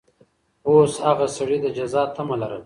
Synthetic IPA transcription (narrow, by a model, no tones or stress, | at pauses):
oːshaɣasaɽid̪əd͡ʒazɑt̪amalaɾəl